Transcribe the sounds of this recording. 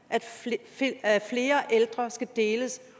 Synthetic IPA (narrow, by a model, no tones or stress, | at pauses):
ʔæd̥ | fle̝ːɐʔeld̥ʁɐsɡ̥æd̥e̝ːləs